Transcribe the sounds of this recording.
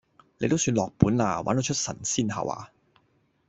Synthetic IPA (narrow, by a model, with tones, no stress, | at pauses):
le˨˧jt̪o˥wsyː˧nlɔː˨k̚puː˨˥nlaː˧wa̰ː˨˥no˧wt͡ʃʰt̚sɐ̰˨˩nsiː˥˩nɦɐ̰˨wa̰ː˧